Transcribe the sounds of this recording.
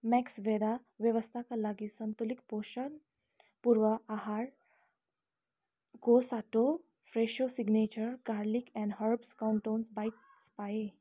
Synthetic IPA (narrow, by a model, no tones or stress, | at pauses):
mɛksʋed̪aʋjəʋəst̪ʰakalaɡiːsənt̪ulikpoʃən | puɾʋəʔaɦaɾ | ɡosaʈo | fɾeɕosiɡnet͡ɕəɾkaɾlikɛ̃ɳɖɦəɾbskawɳʈonsbait̪ | spae